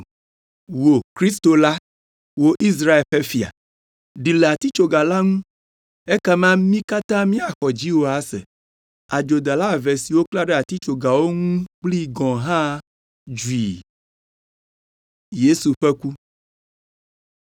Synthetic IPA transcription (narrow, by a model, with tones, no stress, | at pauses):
wo˨kɾi˦st̪o˨la˦ | wo˦ʔi˦s̬ɾa˦e˨lɸɛ˦fi˨a̰˨ | ɖi˨le˨a˨t̪i˦t͡ʃo˨ɡa˨la˦ŋũ˦ | ɛ˦kɛ˦mã˦mĩ˦ka˦t̪ã˦mĩ˦a˨xɔ˨d͡ʑi˦wo˦a˦sɛ̰˨ | a˨d͡ʒo˨d̪a˨la˦˨vɛ˨si˨wo˦kla˦ɖɛ˦a˨t̪i˦t͡ʃo˨ɡa˨wo˦ŋũ˦k͡pli˦ɡɔ̃˨ɦã˦ | d͡ʒu˨i˨ | je˦su˨ɸɛ˦ku˦